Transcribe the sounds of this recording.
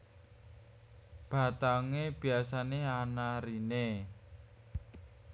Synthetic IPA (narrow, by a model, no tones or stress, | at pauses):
b̥a̤t̪aŋeb̥i̤asaneanaɾine